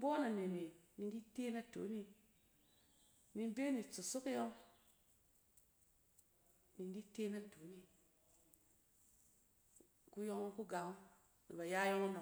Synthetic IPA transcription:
bo˦na˨ne˨ni˨ni˨ndi˦te˦na˦to̰˨˦ni˦ | ni˧n˦be˦ni˨t͡su˨su˦ki˦jɔ˦ŋ | ni˨n˦di˦te˦na˦to˨˦ni˦ | ku˦jo˦ŋo˦ŋku˦ɡa˨ŋu˦ | nḭ˨ba˨ja˦jo˦ŋo˦na˨

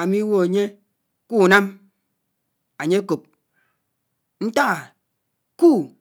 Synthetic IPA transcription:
a˨mi˦wo˦a˨ɲe˦ | ku˦˨na˦m | a˨ɲe˦ko˨p̚ | n̩˦ta˦ɣa˨ | ku˦

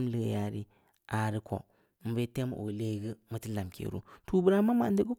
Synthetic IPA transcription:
m˦lə˦ɡ̰ja˨ɾḭ˦ | a˨ɾi˦kʰo̰˨ | m̩˨be˦te˦m˨ʔo̰˨le˦ɡə˦mɨ˨ti˦la˨mkḛ˨ɾṵ˦tu˦bu˦ɾa˦ma˦ma̰˨ndə˦ɡə˦

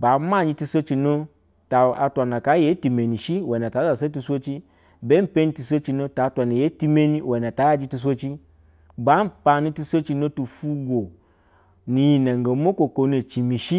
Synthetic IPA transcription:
ba˨˦ma˦˨ɲi˧˦ti˧so˦t͡ʃi˧no˦ | ta˨a˧tʷa˨na˨ka˨˦je˨˦ti˨me˨ni˨ʃi˦we˨na˨ta˨˦za˨s̬e˦t̬i˧sʷo˦t͡ʃi˦ | be˦m̩˦pe˦ɲi˦ti˧so˦t͡ʃi˧no˦ta˨˦tʷa˨na˨je˨˦ti˦me˦ni˦we˨na˨ta˨˦ja˦d͡ʒi˧˦ti˧s̬ʷo˦t͡ʃi˦ | ba˨˦m̩˦pa˧ni˦ti˦˧so˦t͡ʃi˧no˦tu˨fu˦ɡo˨ | ni˨ji˨na˨ŋ˨ɡo˨˦mo˦ko˨ko˨˦ne˨t͡ʃi˨mi˨ʃi˦

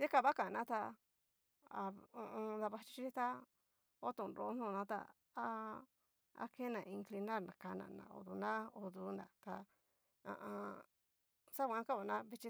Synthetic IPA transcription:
ji˦ka˧βa˦kã˨nã˦t̪a˧ | a˨õ˧ʔõ˧nd̪a˧βa˧t͡ʃi˧t͡ʃi˦i˦t̪a˦ | o˦t̪ũ˨nɾo˨˦n̥ũ˦˨nã˧˦t̪a̰˧ | a˧ | a̰˧ke˦nã˨˧ĩ˧ŋkli˧na˦˨nã̰˨ka˧nã̰˧˨nã̰˨o̰˧ðu˧nã˦o˧ðu˧nd̪a˨t̪a˧ | ã̰˧ʔã˧ | sa˦kʷã˧˦˧ka˦βa˨nã˦βi˧t͡ʃi˧

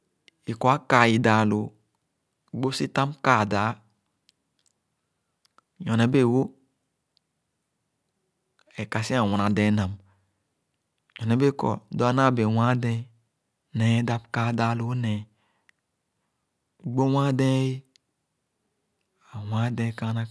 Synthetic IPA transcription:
i˨kɔ˨a˦ka˨ji˨da˨lo˨˦˨ | ɡ͡bo˦si˦ta˦mka˦˨da˨˦ | jɔ˨nɛ˨˦be˦˨wo˦ | ɛ˨ka˨si˦a˨wɔ̃˨na˨dɛ̃˨˦nã˨m | jɔ˨ɛ˨˦be˦kɔ̰˨dɔ˦a˦na˦˨be˨wã˦dɛ̃˦ | nɛ˨˦da˦bka˦˨da˨˦˨lo˨˦nɛ˨ | ɡ͡bo˦wã˦dɛ̃˦i˦ | a˨wã˦dɛ̃˦ka˦na˦

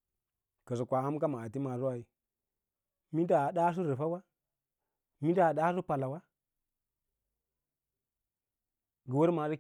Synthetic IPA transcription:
kə˨zu˨kʷa˨a˦m˦ka˦ma˨a˨ti˦ma˨zu˦wa˨i˨ | mi˦da˨ɗa˦s̬u˦ɾə˨fa˦wa˦ | mi˦da˦˨ɗa˦su˦pa˨la˨wa˦ | ɡə˨wə˦ɾma˨zi˦

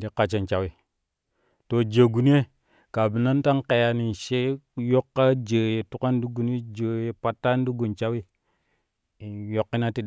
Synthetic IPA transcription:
di˦ka˨t͡ʃe˨nt͡ʃa˨wi˨ | to˨d͡ʒə˨ɡu˨ni˦e˦ | ka˨bi˨na˦n˦ta˦nke˨ja˨ni˨nʃe˦jo˦kːa˦d͡ʒə˨je˨tu˦ka˦n˦du˦ɡu˨n˦e˦d͡ʒə˨je˨pa˦tːa˦n˦di˦ɡu˨nt͡ʃa˦wi˦˨ | jo˨kːi˦na˦ti˦

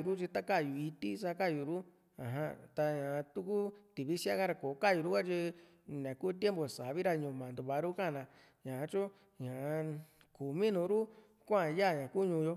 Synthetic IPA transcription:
u˧˨ɾu˦t͡ʃi˧t̪a˦ka˦˨ju˨i˧t̪i˦sa˧˦ka˦˨ju˨ɾu˦ | ã˨ɦã˧t̪a˧ɲã˨˧t̪u˦ku˦t̪i˨βi˦si˦a˦ka˦ɾa˧ko˨˦ka˦˨ju˧ɾu˦ka˦t͡ʃi˧ | nã˨kuː˦t̪je˦mbo˨sa˨βi˦ɾa˧ɲũ˧mã˨nd̪u˧βa˧˨˧ɾu˦kã˦˨nã˧ | ɲã˨˧t͡ʃu˦ | ɲã˨˧ | ku˨mĩ˦nũ˧˦ɾu˦ | kʷã˦˧˨ja˦˨ɲã˨ku˦ɲũː˧jo˧

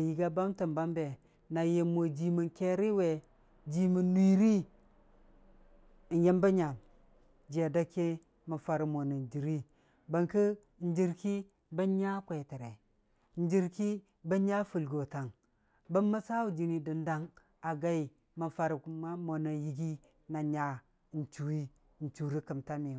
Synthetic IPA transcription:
a˨ji˨ɡa˦ba˦mtə˨mba˦mbe˨ | na˨je˨mo˨d͡ʒi˨mə˨nke˦ɾi˦we˨ | d͡ʒi˨mə˨nːi˦ɾi˦˨ | nje˦mba˦ɲa˨m | d͡ʒe˨da˦ke˦ | ma˨fa˨ɾi˨mo˨na˨nd͡ʒi˨ɾi˦ | ba˨ŋkə˦˨ | n˦d͡ʒi˨ɾki˦ | bə˦ɲa˦kʷe˨tə˨ɾe˨ | n˦d͡ʒi˦ɾki˦ | bə˦ɲa˦fu˨lɡo˨ta˨ŋ | bə˦mːə˦sa˦wu˨d͡ʒi˨ni˨di˨nda˦ŋ | a˨ɡa˦i˨ | mə˨fa˦ɾi˨˦ma˦mo˨na˨ji˨ɡi˦ | na˨ɲa˨ | n̩˨t͡ʃu˨i˦˨ | n̩˨t͡ʃu˨ɾi˦kə˨mta˦mi˨

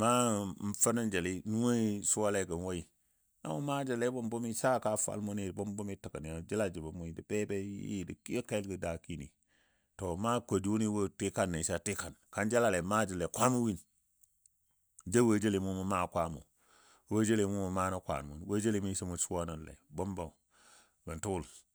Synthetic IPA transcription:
ma˦m̩˨˦fə˦nə˦nd͡ʒe˨li˦nu˦we˦su˦wa˦le˦ɡə˨n˨wo˦i˨ | a̰˦mu˦ma˦d͡ʒə˨le˦bo˦mbu˦mi˦sa˦ka˦fa̰˨lmu˦ni˨bo˦mbu˦mi˦tə˨kə˨ni˨a˨d͡ʒi˦la˦d͡ʒi˨ba˨mu˦i˨di˨be˦be˦jḭ˦˨di˨ki˦ka˦lɡə˨da˨ki˦nḭ˨ | to˨ma˦kʷo˨di˨wu˦ni˦wo˦ti˦ka˦nːe˨sa˦ti˦ka˨nka˦nd͡ʒa˦la˦˨le˨ma˦d͡ʒi˨le˨kʷa˦mu˦wi˦n | d͡ʒa˦wə˦d͡ʒa˦li˨mu˦mu˨˦ma˦˨kʷa˦mo̰˨˦ | wo˦d͡ʒa˦li˨mu˦mu˨ma˦no˦kʷa̰˨n˨wṵ˨nwa˦d͡ʒa˦li˨˦mi˦si˦mu˨su˦wa˦na˨nlḛ˨bo˦mba˨ | bə˨ntu˦wu˦˨l

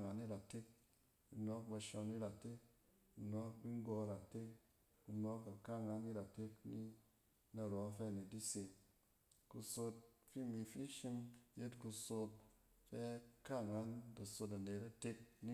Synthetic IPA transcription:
ŋa˨˦ni˦ɾa˨te˦k̚ | ku˧nɔ˦k̚ba˧ʃɔ˧ni˦ɾa˨te˦k̚ | ku˧nɔ˦k̚bi˦ŋ˦ɡɔ˧˨ɾa˨te˦k | ku˧nɔ˦ka˨ka˦˨ŋa˨˦ni˦ɾa˨te˦kni˦ | na˨ɾɔ˨˦fɛ˦˨ne˨di˦se˧ | ku˧so˧t̚fi˦mi˧fi˦ʃi˧mje˦tku˧so˧t̚fɛ˦ka˦˨ŋa˦nba˨so˧t̬a˨ne˨ta˦te˦k̚ni˦

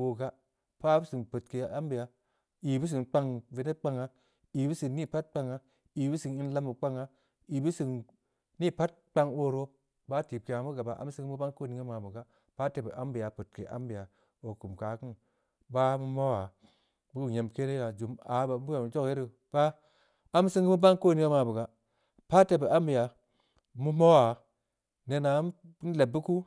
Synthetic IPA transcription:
o˨ɡa˦ | pa˦bu˦sɨ˨ŋpə˨tke˨a˦mbi˨ja˨ | i˨bu˦s̬ɨ˨ŋk͡pa˧ŋve˨ne˦t̚k͡pa˦ŋa˦ | i˨bɨ˦si˨ni˦˨pa˦t̚k͡pa˧ŋa˦ | i˨bu˦sɨ˨ŋi˦n˦la˦mu˨k͡pa˦ŋa˦ | i˨bu˦sɨ˨ŋ | ni˦pa˦t̚k͡pa˧ŋo˦ɾo˦ | ba˦ti˨p̚ke˨ja˨mu˦ɡa˨ba˨ʔa̰˦m˦si˦mu˦ba˦ŋko˦˨ni˨ŋe˦ma˨bu˨ɡa˦ | pa˦te˨bə˨ʔa˦mbi˨ja˨pu˨t̚kḛ˨ʔa̰˦mbi˨ja˨ | o˨ku˨mka˨kɨ˦n | ba˦mu˦mo˦wa˨ | bu˦u˨ɲe˨mke˦ne˦ɾa˨d͡ʒu˨ma˨˦ba˨˦bu˦a˨m˨d͡ʒo˦kje˦ɾi˨ | b̥a˦ | a˦m˦sɨ˦ŋɡɨ˦mu˦ba˦ŋko˦˨ni˦ŋe˦ma˨bə˨ɡa˦ | pa˦te˨bə˨a˦mbi˨ja˨ | mu˦mo˦wa˨ | ne˨na˨˦ | n˦le˨bːu˦ku˦

